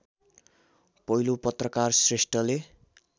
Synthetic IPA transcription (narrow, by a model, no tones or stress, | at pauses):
pʌɦilopʌt̪rʌkarsresʈrʌle